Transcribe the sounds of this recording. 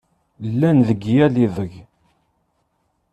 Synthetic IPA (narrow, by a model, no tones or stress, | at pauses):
lːænðəɡjælivəʝ